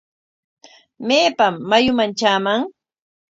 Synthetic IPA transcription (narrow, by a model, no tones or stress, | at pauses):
meːpamːajʊmant͡ʃaːmaŋ